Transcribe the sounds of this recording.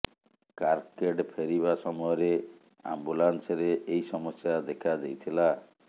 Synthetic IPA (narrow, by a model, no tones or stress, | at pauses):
kaɾkeʈpʰeɾiβasɔmɔjɔɾe | a̰mbulansɔɾeʔːjsɔmɔsjad̪ekʰad̪ejt̪ʰila